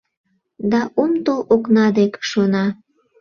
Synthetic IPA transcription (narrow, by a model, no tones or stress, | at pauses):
d̪ɑʔumt̪oloknɑd̪ekʃonɑ